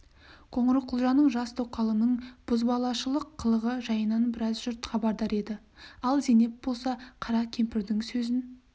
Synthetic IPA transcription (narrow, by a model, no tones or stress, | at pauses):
qʰo̞ɴəɾəqʰʊlˠʒɑnəɴʒɑst̪ʰoqʰɑlˠənəɴb̥ʊzbɑlˠɑʃəlˠəqʰːəlˠəʁəʒɑjənɑnbɪɾɑzʒʏɾt̪χɑbɑɾd̪ɑɾe̞d̪ɪ | ɑlˠzene̞p̪̚bo̞lˠsɑqʰɑɾɑkʲʰe̞mpɪɾd̪ɪŋsɵzɪn